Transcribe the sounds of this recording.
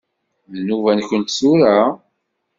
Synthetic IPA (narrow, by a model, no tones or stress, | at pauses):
ðənuvænçənt̪suɾa